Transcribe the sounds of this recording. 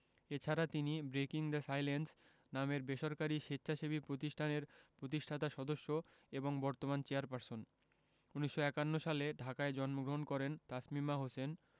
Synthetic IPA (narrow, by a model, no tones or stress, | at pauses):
et͡ɕʰaɾat̪inibɾekiŋd̪esajlens | nameɾbeʃɔɾkaɾiʃet̪ːɕʰaʃebipɾot̪iʃʈʰaneɾpɾot̪̬iʃʈʰat̪aʃɔd̪oʃːo | eboŋbɔɾt̪omant͡ɕeaɾpaɾson | uniʃːoɛkanːoʃaleɖʱakaed͡ʑɔnmoɡɾoɦonkɔɾent̪asmimaɦosen